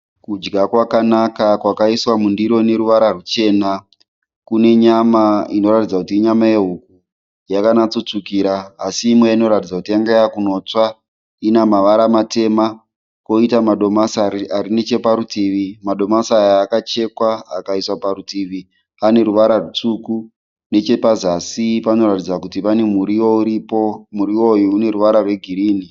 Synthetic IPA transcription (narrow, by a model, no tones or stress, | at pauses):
kud͡ʒɡakwakanakakwakaiswamundiɾo̞ne̞ɾuʋaɾarut͡ʃe̞na | kune̞ɲamaino̞ɾatid͡zakutiːɲamaeɦuku | jakanat͡sut͡sukiːɾaːsiːmweaino̞ɾatid͡zakutijaŋɡejakuno̞t͡swa | inamaʋaɾamate̞ma | ko̞itamaɗomasaarinet͡ʃe̞paɾutiʋimaɗo̞masajaːkat͡ʃe̞kwaa̰kaiswaparutiʋi | ane̞ɾuʋaɾarut͡suku | ne̞t͡ʃe̞pazasipano̞ɾatid͡zakutipane̞muɾiouipomuɾiwo̞juːne̞ɾuʋaɾarwe̞ɡʱiɾiːni